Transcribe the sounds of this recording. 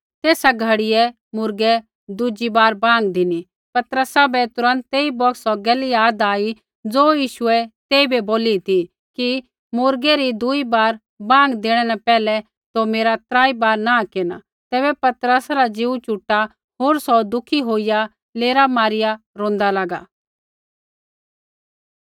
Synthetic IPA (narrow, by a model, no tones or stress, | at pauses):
t̪eːsaɡʱɐɽɪjɛ | mʊɾɡɛ | d̪ʊd͡ʒibaːɾbãːŋɡd̪ɪni | pɐt̪ɾəsabɛt̪ʊɾə̃nt̪ːeːibɔksɔɡɛːlijaːd̪aːi | d͡zoːjiːʃʊɛt̪eːibɛboːlit̪i | ki | mʊɾɡɛɾid̪ʊibaːɾ | bãːŋɡd̪eːɽ̃ɛnɛ̃pɛːlɛ | t̪omeːɾat̪ɾaːibaːɾnakeːna̰ | t̪ɛːbɛpɐt̪ɾəsaɾad͡ʒiːut͡ʃʊʈːa | ɦoːɾsɔd̪ʊkʰiɦoːija | leːɾamaːɾɪja | ɾõːn̆d̪alaːɡaː